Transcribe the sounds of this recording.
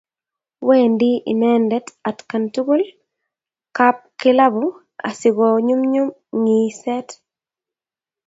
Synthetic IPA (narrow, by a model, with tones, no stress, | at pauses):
we˦ndɪ˦ʔḭ˨mɛ˦ndɛ˦ta˨tka˨ntu˦ɡo˦l | ka˦p̚kɪ˦la˦bʊ˦ | a̰˨sɪ˨ɡɔ˨ɲu˦mɲu˦m | ŋi˨sɛ˦t